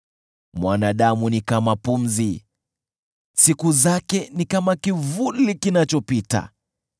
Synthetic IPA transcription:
mwanaɗamunikamapum̩zi | sikuzakɛnikamakivulikinat͡ʃɔpita̰

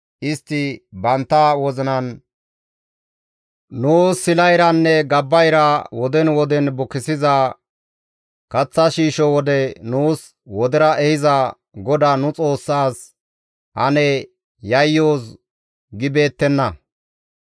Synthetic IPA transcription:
ʔɪst̪ːɪbɐnt̪ːɐwɔzɪnɐn | nuːsɪlɐjɾɐnːɛɡɐbːɐjɾɐwɔd̪ɛnwɔd̪ɛnbʊkːɪsɪzɐ | kɐt͡sːɐʃiːʃɔwɔd̪ɛnuːs | wɔd̪ɪɾɐʔɛhɪzɐ | ɡɔd̪anʊt͡sʼo̞ːsːaːs | hɐnɛ | jɐjːoːs | ɡɪbe̞ːt̪ːɛnːɐ

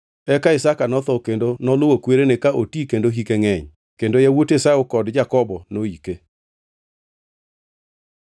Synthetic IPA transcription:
ɛkaɪsakanɔt̪ɔkendonɔlʊwokweɾenekaʔotikendoɦikeŋɛɲ | kendojawotesaokɔdd͡ʒakɔbɔnoike

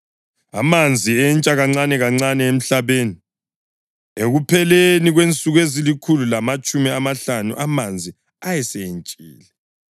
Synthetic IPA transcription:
a̰mand͡zʱiɛnt͡ʃʼaɣaŋ͡ǀanɛɣaŋ͡ǀanɛem̩ɬaβeːni | eɣupʰɛleniɣwent͡sʼuɣezilikʰululamat͡ʃʼumiamaɬanṵʔamand͡zʱi | ajɛseent͡ʃʼḭːlɛ

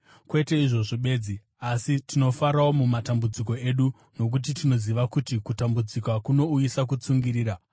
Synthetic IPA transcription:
kwe̞te̞iʐo̞ʐoɓe̞ːd͡zi | asitino̞faɾawo̞mumatambud͡ziko̞e̞ɗu | no̞k̬ut̬itino̞ziʋakutikutambud͡zikakuno̞ujisak̬ut͡suŋɡiɾiːɾa

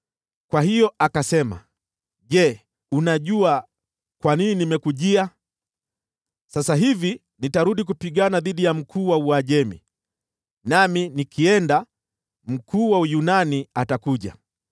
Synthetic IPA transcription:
kwahijɔʔakasɛma̰ | ʄɛ | unaʄua | kwanininimɛkuʄia | sasaɦivi | nitaɾuɗik̬upiɠanaðiɗijam̩kʰuːwauaʄɛmḭ | naminikʰiɛnda | m̩kʰuːwaujunaniatakuʄa̰

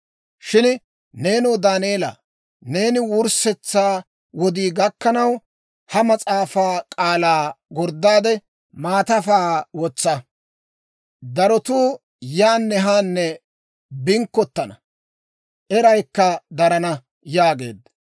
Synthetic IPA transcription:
ʃɪn | ne̞ːnɔːd̪aːniɛlɐ̰ː | ne̞ːnɪwʊɾsɛt͡sːaː | wɔd̪iːɡɐkːɐnɐw | hɐmɐt͡sʼaːfaːkʼaːlaːɡɔɾd̪ːaːd̪ɛ | maːt̪ɐfaːwɔt͡sːɐ | d̪ɐɾɔt̪uː | jaːnːɛɦaːnːɛ | bɪŋkːɔt̪ːɐnɐ | ʔɛɾɐjkːɐd̪ɐɾɐnɐ | jaːɡe̞̰ːd̪

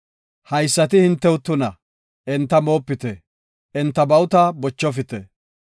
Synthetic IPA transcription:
hɐjsːɐt̪ɪhɪnt̪ːɛwʊt̪ːʊnɐ | ʔɛnt̪ːɐmo̞ːpːɪt̪ɛ | ʔɛnt̪ːɐbɐwʊt̪ɐbɔt͡ʃːɔfɪt̪ɛ

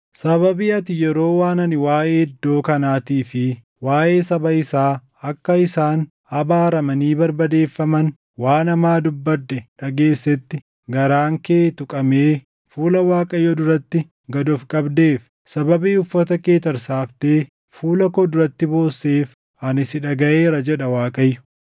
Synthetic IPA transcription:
sɐβɐbiːɐt̪ɪjɛɾo̞ːwaːnɐnɪwaːʔeːɪd̪ːo̞ːkɐnaːt̪iːfɪ | waːʔe̞ːsɐbɐɪsaː | ɐkːɐɪsaːn | ɐbaːɾɐmɐniːbɐɾbɐd̪e̞ːfːɐmɐn | waːnɐmaːd̪ʊbːɐd̪ːɛᶑɐɡe̞ːsːɛt̪ːɪ | ɡɐɾaːŋke̞ːt̪ʊkʼɐmeː | fuːlɐwaːkʼɐjːod̪ʊɾɐt̪ːɪ | ɡɐd̪ɔfkʼɐbd̪e̞ːf | sɐbɐbiːʊfːɐt̪ɐke̞ːt̪ɐɾsaːft̪eː | fuːlɐkɔd̪ʊɾɐt̪ːɪbo̞ːsːeːf | ʔɐnɪsɪᶑɐɡɐʔe̞ːɾɐd͡ʒɛᶑɐwaːkʼɐjːʊ̥

